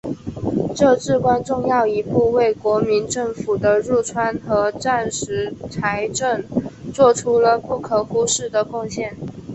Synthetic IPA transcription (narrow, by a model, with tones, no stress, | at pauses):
ʈ͡ʂɤ˥˧ʈ͡ʂɻ̩˥˧kwa˥nʈ͡ʂʊ˥˧ŋjɑ˥˩ʊi˧˥pu˥˧we˥˩ɪkwɔ˧˥mi˧˥nʈ͡ʂɤ˥˩ŋfu˨˩d̪ə˦ɻu˥˩ʈ͡ʂʰwa˥nxɤ˧˥ʈ͡ʂa˥˩nʂɻ̩˧˥t͡sʰa˧˥ɪʈ͡ʂə˥˧nt͡swɔ˥˩ʈ͡ʂʰu˥lə˧pu˥˩kʰɤ˨˩xu˥ʂɻ̩˥˩d̪ə˩kʊ˥˧ŋɕjɛ˥˩n